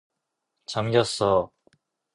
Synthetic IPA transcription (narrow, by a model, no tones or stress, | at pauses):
t͡ɕamɡjʌs͈ʌ